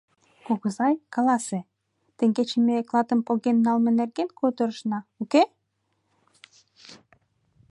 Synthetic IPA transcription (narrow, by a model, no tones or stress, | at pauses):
kuɣəzɑjkɑlˠɑse | t̪ĕŋɡet͡ɕĕmeklˠɑt̪əmpoɣenːɑlˠmĕnerɡenkot̪ə̆ɾəʃnɑuke